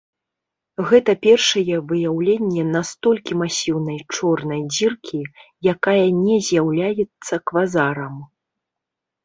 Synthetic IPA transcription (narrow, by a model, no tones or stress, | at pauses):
ɣɛt̪ɐpʲɛrʂɐjɛvɨjawlʲenʲːɛnast̪ɔlʲkʲimasʲiwnɐjt͡ʂɔrnɐjd͡zʲirkʲʰijakajɐnʲɛzʲjawlʲajɛt̪sːɐkvazaɾɐm